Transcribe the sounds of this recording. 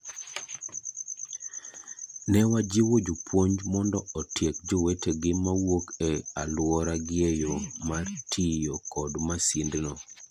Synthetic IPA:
nɛwad͡ʒiwod͡ʒupwoɲd͡ʒmɔndɔɔtjek̚d͡ʒɔweteɡɪmawokɛalwɔɾaɡɪejomartʰijokɔdmasindnɔ

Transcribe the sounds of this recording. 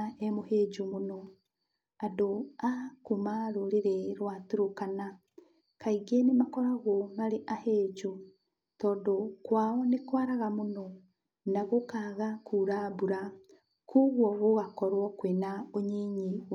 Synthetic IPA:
ɛmohed͡ʒumonɔ | adoakomaɾoɾeɾɛɾwatuɾokana | kaiɡenemakɔɾaɣomaɾeʔaheːd͡ʒo | tɔːndɔkwaːɔnekwaɾaɣamonɔ | naɣokaːɣakʰuːɾabuɾa | kʰoɣwɔɣoɣakɔɾwɔkwenaoɲeːɲi

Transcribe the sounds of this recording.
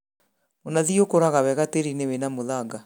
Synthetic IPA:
monaðiokoɾaɣawɛɣateɾinewenamoðaɡa

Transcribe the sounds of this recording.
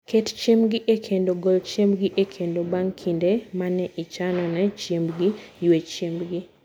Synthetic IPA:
kʰett͡ʃemɡɪʔekʰendoɡolt͡ʃembɡiʔekʰendobaŋkʰindemanɛʔit͡ʃanɔnɛt͡ʃembɡijwet͡ʃembɡɪ

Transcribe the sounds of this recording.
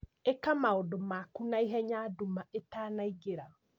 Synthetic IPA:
ekamaodomakunaiɦɛɲaːdumaetaːnaiɡeɾa

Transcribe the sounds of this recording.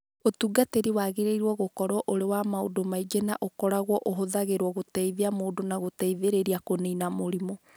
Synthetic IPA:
otuɡateɾiwaɣeɾeiɾwɔɣokɔɾwɔʔoɾewamao̰domaid͡ʒenaʔokɔɾaɣwɔʔoɦoðaɣeɾwɔɣotɛiðeamoːdonaɣotɛiðeɾeɾiakoneinamoɾimɔ

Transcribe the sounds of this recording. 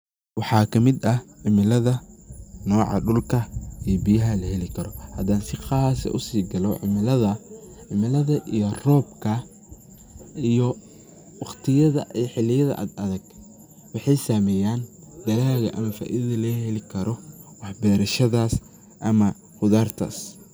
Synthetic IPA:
wɑħɑːkʰɐmɪd̪ɐʕɪmɪlɐðɐnɔːʕɑ̰ɖʊlkʰɐijɔbɪjɐɦɐlɐhɛlɪkʰɐɾɔhɐd̪aːnsɪχɑːsɐ̰ʔʊsiːɡɐlɔʕɪ̰mɪlɐðɐ | ʕɪmɪlɐðɐʔijɔrɔːbkʰɐ | ijɔ | wɑχt̪ʰɪjɐðɐʔiħɪlɪjɐðɐ̰ʔɐ̰d̪ɐðɐɡ̥̚ | wɑħɑjsaːmɛːjaːn | d̪̥ɐɣaːɣɐ̰ʔɐmɐfa̰ːʔiðɐðɐlɐhɛlɪkʰɐɾʔɔwɑħbɛːɾɐʃɐðaːs | ʔɐmɐ | hʊðaːrt̪ʰa̰ːs

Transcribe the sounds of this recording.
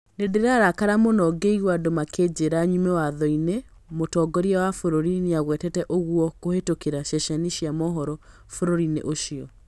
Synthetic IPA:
nedeɾaɾakaɾamonɔɡeiɣwadomakʰed͡ʑeɾaɲumɛwaðɔine | motɔɡɔɾiawafoɾoɾineaɣwɛtɛtɛʔoɣwɔkohetokeɾaʃɛʃaniʃiamɔɦɔɾɔ | foɾoɾinḛʔoʃiɔ

